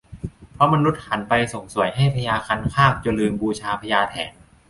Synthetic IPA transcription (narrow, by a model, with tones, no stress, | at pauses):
pʰɾɔ˦˥ma˧nu˦˥t̪̚ha˩˦npa˧jso˨˩˦ŋsu˨˩˦əjɦa˥˩jpʰa˧jaː˧kʰa˧˥nkʰaː˥˩k̚t͡ɕa˧˩lɯː˧mbuː˧t͡ɕʰaː˧pʰa˧jaː˧t̪ʰɛ̰ː˩˦n